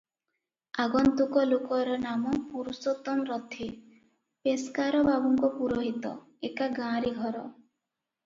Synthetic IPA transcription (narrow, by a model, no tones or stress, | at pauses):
aɡɔnt̪ukɔlokɔɾɔnamɔpuɾusɔt̪ɔmɾɔt̪ʰi | peskaɾɔbabɔŋkɔpuɾoɦit̪ɔ̰ | ekaɡãɾiɡʱɔɾɔ